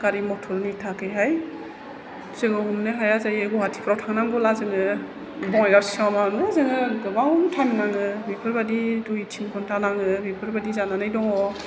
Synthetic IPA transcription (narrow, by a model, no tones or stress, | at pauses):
kaɾimɔtʰɔlnitʰakʰɯjɦaj | zɯŋɯhumnɯɦajazajɯɡɔɦatʰi̥pʰɾawtʰaŋnaŋɡɔlazɯŋɯ | bɔŋajɡaɾsamanuazɯŋɯɡɯbawtʰannaŋɯbipʰɯɾbadiduitʰiŋkʰɔntʰanaŋɯbipʰɯɾbadizananɯjdɔŋɔ